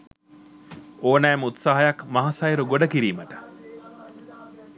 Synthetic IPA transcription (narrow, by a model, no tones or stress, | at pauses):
oːnæːmut̪saɦɐjɐkmɐɦasɐjɾuɡoɖɐkiɾiːməʈə̥